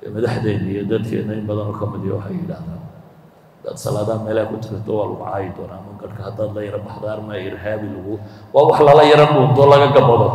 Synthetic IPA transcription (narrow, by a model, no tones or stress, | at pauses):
ɛmɐðaħðɛːnijɔd̪ɐd̪kʰɛ̰ːnɐɪmbɐðɐnɔːkʰɐmɪðijɔ̰wɑħɑjɪɽaːhðaːn | d̪̥ɐ̰d̪sɐ̰laːðaːd̪mɛːlakʰʊt̪ʰʊkʰɐt̪ʰɔwaːlʊ̰ʕɑ̰ːjɪd̪ɔːnaːmɐɡɐɽkʰɐhɐd̪aːd̪lɐjɐɾɐbɑħd̪armɐɪrɦaːβɪlʊɣʊwɑːwɑħlɐlɐjɐɾɐmuːnd̪ɔlɐɣɐɡɐbɐðɔ